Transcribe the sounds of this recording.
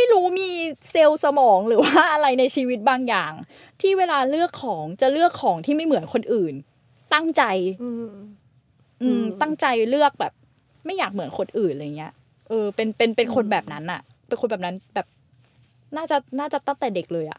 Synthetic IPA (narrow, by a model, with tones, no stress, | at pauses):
ma˥˩jɾuː˦˥miː˧se˧wsa˧mɔː˩˦ŋɾɯː˩˦waaː˥˩ʔa˧ɾa˧jna˧jt͡ɕʰiː˧wi˦˥t̪̚baː˧ŋjaː˨˩ŋ | t̪ʰiː˥˩weː˧laː˧ɾɯ˥˩əkʰːɔː˩˦ŋt͡ɕa˨˩ɾɯ˥˩əkʰːɔː˩˦ŋt̪ʰiː˥˩ma˥˩jmɯ˩˦ənkʰo˧nʔɯː˨˩n | t̪a˥˩ŋt͡ɕa˧j | ʔɯː˧mt̪a˥˩ŋt͡ɕa˧jlɯ˥˩ək̚bɛː˨˩p̚ | ma˥˩jːaː˨˩k̚mɯ˩˦ənkʰo˧nʔɯː˨˩nʔa˧ja˨˩ŋːi˦˥ɐ | ʔɤː˧pe˧npe˧npe˧nkʰo˧nbɛː˨˩p̚na˦˥nʔa˨˩ʔ | pe˧nkʰo˧nbɛː˨˩pna˦˥nbɛː˨˩p̚ | naː˥˩t͡ɕa˨˩naː˥˩t͡ɕa˨˩t̪a˥˩ŋt̪ɛː˨˩de˨˩k̚lɤː˧jʔa̰˨˩ʔ